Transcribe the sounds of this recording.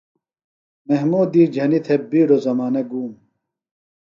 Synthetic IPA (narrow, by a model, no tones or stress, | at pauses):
meɦmuːd̪iːd͡ʑʱɐnit̪ʰebiːɽozɐmaːnɐɡuːm